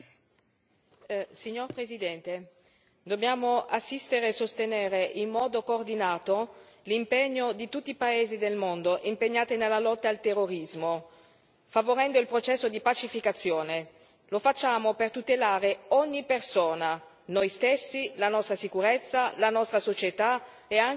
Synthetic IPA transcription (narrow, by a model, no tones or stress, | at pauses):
siɲːorpɾezid̪ɛnt̪e | d̪objaːmoʔasːist̪eɾeːsost̪eneːɾeʔimːɔːd̪okoːrd̪inaːt̪o | limpeɲːod̪it̪ut̪ːiːpaeːzid̪elmond̪oʔimpeɲːaːt̪inelːalɔt̪ːaːlt̪erːoɾizmo | favoɾɛnd̪oilpɾot͡ʃɛsːod̪ipat͡ʃifikat̪sːjoːne | lofat͡ʃːaːmopert̪ut̪elaːɾeɔɲːipersoːna | nojst̪esːilanɔst̪ɾasikuɾet̪sːalanɔst̪ɾasot͡ʃet̪a | eaŋ